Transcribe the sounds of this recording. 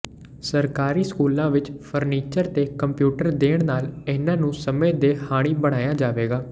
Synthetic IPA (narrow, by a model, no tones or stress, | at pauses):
səɾkaːɾiːskuːlãːʋɪt͡ʃpʰəɾniːt͡ʃəɾt̪eːkəmpjuːʈəɾd̪eːɳ̃naːlɪːnãːnũːsəmẽːd̪eːhaːɽ̃iːbəɽ̃aːjaːd͡ʒaːʋeːɡaː